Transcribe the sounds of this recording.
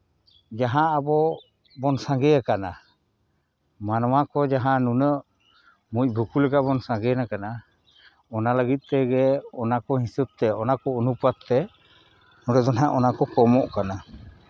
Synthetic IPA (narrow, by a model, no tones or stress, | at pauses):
d͡ʒaɦãʔabɔ | bɔnsaŋɡɛakana | manwakɔd͡ʒaɦãnunəʔ | muc̚ˀbʱukulɛɡabɔnsãŋɡɛnakana | ɔnaləɡit̪̚ˀt̪ɛɡɛɔnakɔɦisəb̚t̪ɛɔnakɔunupat̪̚t̪ːɛ | ɔɾəd̪ɔnɦaʔɔnakɔkɔmɔʔkana